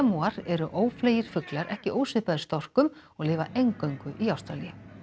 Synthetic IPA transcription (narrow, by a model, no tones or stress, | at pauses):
amuːaɾɛɾʏʔoːwfleːjɪɾ̥fʏklaɾʔɛhcɪʔoːwsɪpaðɪɾst̪ɔr̥kʏm | ɔɣlɪːvaʔejŋkœɥŋkʏʔiawst̪ɾaliɪ